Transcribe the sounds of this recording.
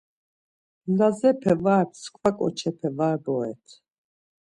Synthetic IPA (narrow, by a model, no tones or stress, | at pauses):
nazɛpʰɛvaɾpʰskʰvakʼɔ̰t͡ʃʰɛpʰɛvaɾbɔɛ̰t̪ʰ